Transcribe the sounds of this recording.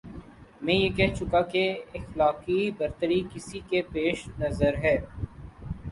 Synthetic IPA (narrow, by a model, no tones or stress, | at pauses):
mɛ̃ːjeːkɛɦt͡ʃʊkakeɪxlaːqibɐɾt̪əɾikɪsikepeːʃnɐzəɾɦɛː